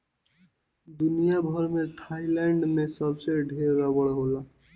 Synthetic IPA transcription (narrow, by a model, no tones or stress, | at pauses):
d̪unijabʱɔɾmet̪ʰajlaɳɖmesɔbseɾɖʱeɾabɔɽɦola